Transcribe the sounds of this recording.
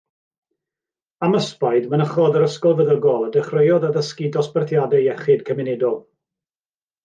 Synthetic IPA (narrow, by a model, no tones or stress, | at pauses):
aməspajdmənəχɔðəɾəskɔlˠvəðəɡɔlˠədɛχrəjɔðəðəskɪdɔspərθʰjadɛɛχɨdkʰəmɪnɪdɔlˠ